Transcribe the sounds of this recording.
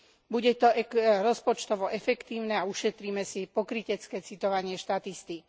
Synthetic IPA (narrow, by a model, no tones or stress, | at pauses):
buɟɛt̪ɔɛɾɔspɔt͡ʃt̪ɔʋɔʔɛfɛkt̪iːʊnɛauʃɛt̪ɾiːmɛsipɔkɾicɛt͡skɛːt͡sit̪ɔʋaɲɪɛʃt̪at̪ist̪ik